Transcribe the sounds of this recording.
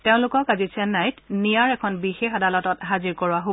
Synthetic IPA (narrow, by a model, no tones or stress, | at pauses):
teʊ̃lʊkɔkazisɛnːajtnijaɹɛkʰɔnbixexadalɔtɔtɦaziɹkɔɹʊaɦo